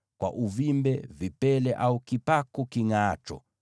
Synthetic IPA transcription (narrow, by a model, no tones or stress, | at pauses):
kwa̰ʔuvimbɛvipɛlɛʔaukipakukiŋaːt͡ʃɔ̰